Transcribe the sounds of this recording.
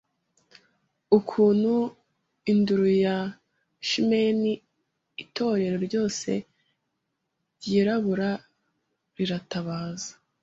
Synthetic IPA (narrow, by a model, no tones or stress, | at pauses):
ukʰuːn̥hu | induɾuja | ʃimeni | itʰo̞ɾe̞ɾo̞ɾɟo̞ːse̞̰ | ɾɟiːɾaβuɾa | ɾiɾataβaːzḁ